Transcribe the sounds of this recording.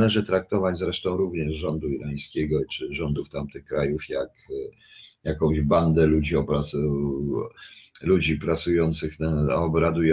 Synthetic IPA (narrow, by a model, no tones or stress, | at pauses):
lɛʐɘt̪ɾakt̪ɔvad͡ʑzɾɛʂt̪ɔ̃w̃ɾuvɲɛʐʐɔnd̪uiɾaj̃skʲeɡɔt͡ʂɘʐɔnd̪uft̪amt̪ɘxkɾajufjak | jakɔ̃w̃ʑband̪ɛlud͡ʑiɔbɾa | lud͡ʑipɾat̪sujɔnt̪sɘxnaɔbɾad̪uj